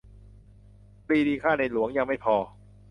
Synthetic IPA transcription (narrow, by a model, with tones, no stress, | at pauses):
pɾiː˧diː˧kʰaː˥˩na˧jlu˨˩˦əŋja˧ŋma˥˩jpʰɔː˧